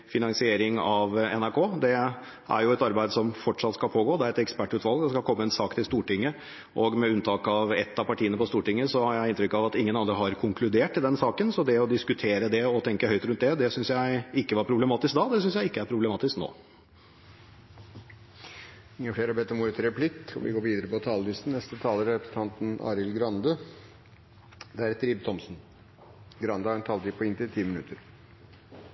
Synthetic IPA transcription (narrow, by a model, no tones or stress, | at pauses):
fɪnɑŋsɪeːɾɪŋɑʋɛ̰næɾkʰoːd̪ɛ | ʔæ̰ɾjʊɛt̪ɑɾbæɪd̪əsɔmfɔʈʂɑt̪skɑlpʰoːɡoːd̪ɛæɾɛt̪ɛkspæʈːʉːt̪ʰʋɑlˠɡd̪ɛskɑkʰɔmːəɛnsɑːkt̪ʰɪlst̪uːʈɪŋːə | ʔɔɡmɛʉnt̪ʰɑːkɑʋɛ̰t̪ːɑpɑʈʰiːənəpɔst̪uːʈɪŋːəsɔhɑɾjæɪɪnt̪ɾʏkːɑʋɑt̪ɪŋːənɑnd̪ɾəɦɑɾkʰʊŋkʰlʉd̪eːʈ̚tɪld̪ɛnsɑːkənsɔd̪ɛɔd̪ɪskʉt̪ʰeːɾəd̪ɛɔt̪ʰɛŋkəhœʏt̪ɾʉnt̪̚d̪ɛd̪ɛsʏnsjæɪɪkːəʋɑɾpʰɾʊblɛmɑːt̪ɪskd̪ɑːd̪ɛsʏnsjæɪɪkːəæɾpʰɾʊblɛmɑːt̪ɪskno̰ː | ɪŋːəfleːɾɑbɛt̪ːɔmuːɾət̪ʰɪɾɛpʰlɪkɔ̰ʋɪ̰ɡoːɾʋiːd̪əɾəpɔt̪ʰɑːləlɪst̪n̩nɛst̪ət̪ʰɑːləɾɛɛpɾəsən̩ʰɑnt̪n̩ɑ̰ːɾɪlɡɾɑnd̪ə | d̪ɛæɾt̪ʰɾɪb̚t̪ʰɔmsn | ɡɾɑnd̪əhɑɾɛnt̪ʰɑːlt̪iːpʰɔɪnt̪ɪlt̪ʰiːmɪnʉt̪əɾ